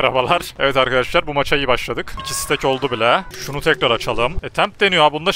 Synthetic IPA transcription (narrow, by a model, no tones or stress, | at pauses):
aɾa̰balˠaɾ̥ɛvɛt̪aɾkʰad̪aʃɯ̥klˠaɾbumat͡ʃʰaijibaʃlˠad̪ɯkicʰisi̥t̪ʰɛco̞lˠd̪ubilʲɛʃunut̪ʰɛkɾaɾat͡ʃʰalˠɯmɛt̪ʰæmp̚d̪e̞nijoabund̪a